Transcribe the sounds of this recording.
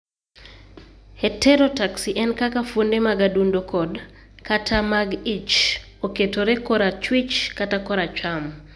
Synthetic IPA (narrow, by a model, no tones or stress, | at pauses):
hɛtʰɛɾotaksiʔɛnkakafondemaɡadundokʰɔd | katʰamaɡit͡ʃ | oketoɾekɔɾat͡ʃwit͡ʃkatakɔɾat͡ʃam